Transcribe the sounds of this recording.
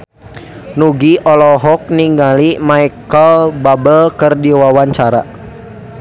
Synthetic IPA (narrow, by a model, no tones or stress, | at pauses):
nuɡiʔɔlɔɦɔk̚niŋɡalimaikəlbabəlkərdiwawaɲt͡ʃaɾa̰